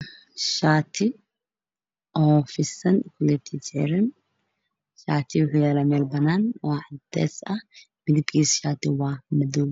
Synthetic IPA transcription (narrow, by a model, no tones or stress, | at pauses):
ʃaːt̪ɪ | ʔoːfɪsɐnkʊlɛt̪ʰɪd͡ʒḛɾɪn | ʃaːt̪ɪwʊħʊjalɐmeːlbɐnaːnwaːʕd̪ḛːsɐ | mɪd̪ɪbkiːsʃaːt̪ɪwaːmɐd̪ul